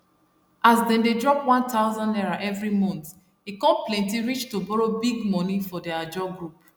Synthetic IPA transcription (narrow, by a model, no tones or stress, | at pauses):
azdɛ̃ndedɹɔpwãntʰaʊzɔ̃nnɛɹaʔɛvɹimɔ̃nt | ekɔ̃plɛ̃ntiɹit͡ʃtobɔɹobiɡmɔ̃nifɔdead͡ʒɔɡɹup